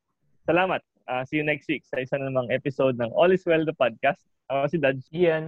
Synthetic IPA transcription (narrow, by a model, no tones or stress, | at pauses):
sɐlaːmɐt̪̚ʔaːsɐjʊnɛk̚st̪wik̚sɐʔɪsanlɐmɐŋʔɛpɪsod̪̚nɐŋʔolɪswɛld̪ɐpad̪̚kɐst̪̚ɐsɪd̪adjɛn